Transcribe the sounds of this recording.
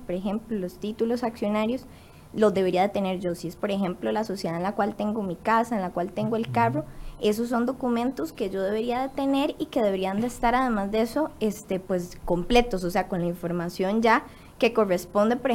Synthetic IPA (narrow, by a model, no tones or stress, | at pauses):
poɾexẽmplolost̪it̪ulo̞saksjo̞naɾjo̞s | lozd̪e̞βe̞ɾiaðet̪e̞ne̞ɾd͡ʒo̞siespo̞ɾexẽ̞mplolaso̞sjeðaenlakwalt̪e̞ŋɡo̞mikasaenlakwalt̪e̞ŋɡoelkaro̞e̞s̬os̬ːo̞nd̪o̞kumẽnt̪oske̞d͡ʒo̞ð̞eβe̞ɾiaðe̞t̪e̞ne̞ɾike̞ð̞e̞βeɾiand̪eːst̪aɾað̞e̞mazd̪ee̞so̞est̪epwe̞sko̞mple̞t̪os̬ose̞ako̞nlaiɱfo̞ɾmasjo̞nd͡ʒa | ke̞ko̞respo̞nd̪epoɾe